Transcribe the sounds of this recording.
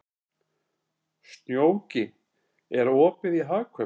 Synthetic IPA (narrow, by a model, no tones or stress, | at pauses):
st̪njoːwcɪ | ɛɾɔːpɪðiɦaːkʰvœ